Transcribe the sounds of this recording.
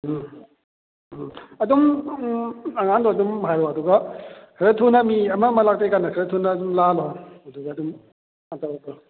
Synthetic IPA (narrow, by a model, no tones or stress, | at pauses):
ɐdum | ɐŋandɔɐdumɦajɾɔɐduɡɐkʰɯɾatʰunɐmiɐmɐmɐlak̚tejkanːɐkʰɯɾɐtʰunːɐdumlalaɐduɡɐːdum | antaɾatɔ